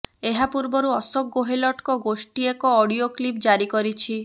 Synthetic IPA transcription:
eɦapuɾbɔɾuɔsɔk̚ɡoɦelɔʈkɔɡosʈiekɔːɽioklipd͡ʒaɾikɔɾit͡ʃʰi

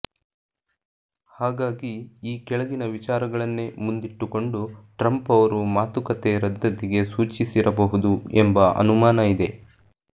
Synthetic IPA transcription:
haːɡaːɡiiːkɛɭɐɡinɐʋit͡ʃaːɾɐɡɐɭɐnːemund̪iʈːuko̞ɳɖuʈɾɐmpɐʋɐɾumaːt̪ukɐt̪eɾɐd̪ːɐd̪iɡe̞suːt͡ʃisiɾʔɐbɐɦud̪uembɐɐ̰numaːnɐid̪e̞

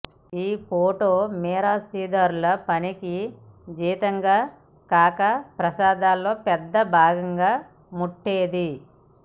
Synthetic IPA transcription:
iːpoːʈoːmɛːɾaːsiːd̪ɐɾulɐpɐniki | d͡ʒiːt̪ɐŋɡaː | kaːkɐpɾɐsaːd̪aːlːo̞ːpɛd̪ːɐbʱaːɡɐŋɡaː | muʈːeːd̪i

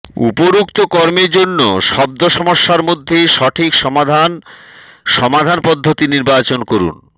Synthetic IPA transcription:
ṵpoɾukt̪okɔɾmeɾd͡ʑonːoʃɔb̚d̪oʃɔmoʃːaɾmod̪ʱːejʃɔʈʰikʃɔmad̪ʱan | ʃɔmad̪ʱanpɔd̪ʱːot̪iniɾbat͡ɕonkoɾṵn

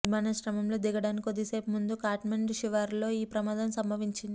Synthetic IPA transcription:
imaːnɐʃɾɐmɐmlo̞ːd̪iɡɐɽaːnikʲikod̪ːise̞ːpumund̪ukaːʈmɐɳɖʃiʋaːɾlo̞ːiːpɾɐmaːd̪ɐmsɐmbɐʋiɲt͡ʃind̪i

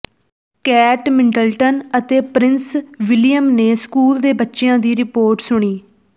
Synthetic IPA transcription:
kɛːʈmɪ̃ɳʈəlʈənət̪eːpɾɪnsʋɪlɪjəmneːskuːld̪eːbətːʃejãːd̪iːɾɪpoːɾʈsʊɽ̃iː

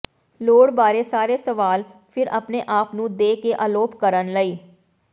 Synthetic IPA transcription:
loːɽbaːɾeːsaːɾeːsəʋaːlpʰɪɾəpneːʔaːpnũːd̪eːkeʔaːloːpkəɾənləiː

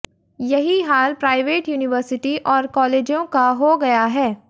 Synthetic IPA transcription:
jɐɦiɦaːlpɾaːɪʋeːʈjuːnɪʋəɾsɪʈiʔɔːɾkɔːleːd͡ʒjõkaɦoɡɐjaɦɛː

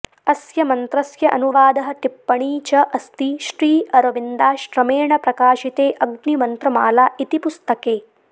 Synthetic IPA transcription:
ɐsjɐmɐnt̪ɾɐsjɐʔɐ̰nuʋaːd̪ɐɦɐt̪ipːɐɳiːt͡ʃɐʔɐst̪iʃɾiːɐɾɐʋind̪aːʃɾɐmeːɳɐpɾɐkaːʃit̪eːʔɐɡnimɐnt̪ɾɐma̰ːlaːʔit̪ipust̪ɐkeː

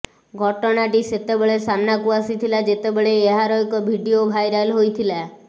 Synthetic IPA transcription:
ɡʱɔʈɔnaʈiset̪ebeɭesanːakuasit̪ʰilad͡ʒet̪ebeɭeːɦaɾɔjkɔbʱiɖiobʱajɾalɦojt̪ʰila

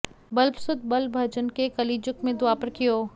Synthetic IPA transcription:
bɐlbsʊd̪̚bɐlbʱɐd͡ʒənkekɐliːd͡ʒʊkmẽd̪ʊaːpəɾkijoː

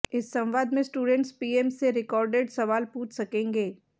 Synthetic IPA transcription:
ɪsːɐ̃mʋaːd̪mẽsʈuːɖɛ̃ɳʈspiːeːmsːeɾɪkɔːɾɖeɖsɐʋaːlpuːt͡ʃʰsɐkẽːŋɡeː

